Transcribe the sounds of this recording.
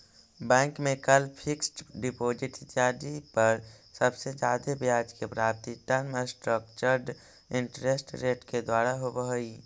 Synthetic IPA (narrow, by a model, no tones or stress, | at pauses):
bɛ̃ːŋkmẽkəlpʰɪksʈɖɪpoːd͡ʒɪʈɪt̪aːd͡ʒipəɾsəbsed͡ʒaːd̪ebjaːd͡ʒkepɾaːp̚t̪iʈənməsʈɾək̚t͡ʃəɾɖ | ɪɳʈɾesʈɾeːʈked̪waːɾaɦobəɦoi